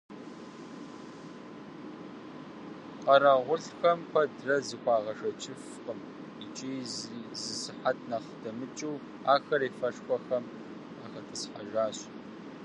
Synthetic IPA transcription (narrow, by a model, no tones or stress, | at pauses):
qɐɾaʁʷʊɬxɐmpʰɐdrɐzikʷɑːʁɐʂɐt͡ʃʼɪf | qəm | it͡ʃʼiːzɨsɨħatʰnɐχd̥ɐmɨt͡ʃʼɨw | aːxɐɾiːfɐʂkʷʼɔxɐm | aːxɐtʰɨsħaʒaːɕ